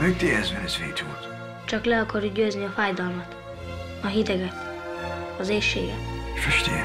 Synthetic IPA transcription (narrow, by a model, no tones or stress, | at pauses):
mɛɡ̚t̪eɛzvɛnɛsvḛːt̪ult̪ | t͡ʃɒklɛɒkɒrjuɟøːzniɒfaːjd̪ɒlmɒt̪ | ɒɦid̪ɛɡɛt̪ | ɒzeːʃḛːɡɛ̰t̪fɛʃt̪e